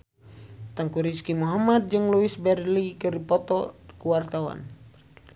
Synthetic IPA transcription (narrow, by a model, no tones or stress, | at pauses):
t̪aŋkuɾiskimuɦamad̪̚d͡ʒɨŋluisbɛrlikɨripɔt̪ɔkuwart̪awa̰n